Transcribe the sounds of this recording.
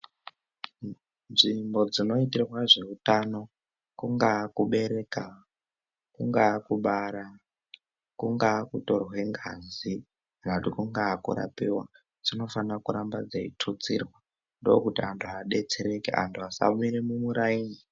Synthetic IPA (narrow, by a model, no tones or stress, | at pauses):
nʐimbo̞d͡zino̞itirrwaʐe̞utano̞ | kuŋɡakuɓe̞ɾeka | kuŋɡakuɓaɾa | kuŋɡaːkuto̞rwe̞ŋɡazi | kanakutikuŋɡaːkṵɾa̰piwa̰ | d͡zino̞fanakuɾambad͡zaḭtʰut͡sirwa | ndoo̰kutiantʰuaɗe̞t͡seɾe̞kḛʔa̰ntʰuasa̰muiɾemumuɾaini